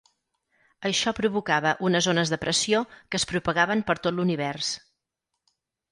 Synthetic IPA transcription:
əʃɔpɾuβukaβəʔunəzonəzðəpɾəsiokəːspɾupəɣaβəmpəɾt̪ot̪luniβɛrs

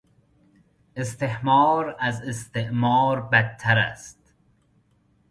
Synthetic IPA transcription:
est̪ehmɑːɾæzest̪eʔmɑːɾbæt̪ʰːæɾæ̰st̪

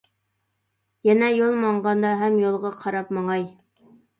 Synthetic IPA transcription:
jɛnɛjolˠmɑɴʁɑnd̪ɑɦɛmjolˠʁɑqʰɑɾɑpmɑŋɑj

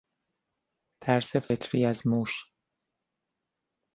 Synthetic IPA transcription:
t̪ʰæɾsefet̪ʰɾiːæzmuːʃ

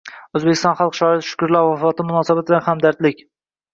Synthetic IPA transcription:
ɵzbekʲʰɪst̪ɒnχɑlˠqʃɒɪt̪ʃʊ̥kʊɾlaɾwafɒt̪ʰɪmʊnɒsabat̪lʲahamd̪aɾt̪lɪkʲ

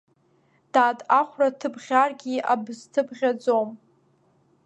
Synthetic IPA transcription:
d̥aːdʼaχʷratʰɨbʁʲarɡʲiabɨztʰɨbʁʲad͡zom

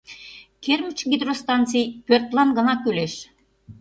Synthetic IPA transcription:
kʰermə̆t͡ɕɡʲid̪rost̪ɑnt͡sijpʲørt̪lɑnɡə̆nɑkøleʃ

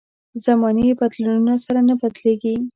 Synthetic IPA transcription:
zamɑneibat̪lununasaɾanapat̪leɡi

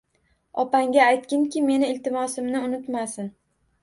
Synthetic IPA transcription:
ɒpaŋɡʲaːjt̪̚kʲɪŋkʲɪme̞nɪɪlt̪ɪmɒsɪmnɪʊnɪt̪masɪn

